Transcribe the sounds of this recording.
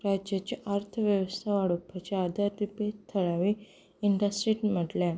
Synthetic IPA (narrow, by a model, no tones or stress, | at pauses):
ɾaːd͡ʒjɐt͡ʃɐʔaɾt̪ʰɐʋjɐʋɐst̪ʰɐʋaɽupʰːɐt͡ʃaːd̪ɐd̪ipet̪ʰːɐɭɐʋi | iɳɖɐsʈɾiʈmɐʈle